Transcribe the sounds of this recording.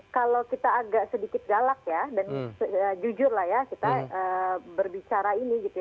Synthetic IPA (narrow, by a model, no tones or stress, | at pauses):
kalawkit̪aːɡaʔsədikɪt̪̚ɡalak̚jadansəəd͡ʒud͡ʒʊrlahjakit̪aəbərbit͡ʃaɾainiɡit̪uj